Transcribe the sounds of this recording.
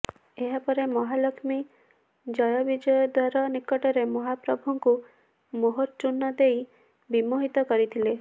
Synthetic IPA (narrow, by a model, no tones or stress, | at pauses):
eɦapɔɾemɔɦalɔkʰmi | d͡ʒɔjɔbid͡ʒɔjɔd̪waɾɔnikɔʈɔɾemɔɦapɾɔbʱuŋku | moɦoɾt͡ʃunːɔd̪ej | bimoɦit̪ɔkɔɾit̪ʰile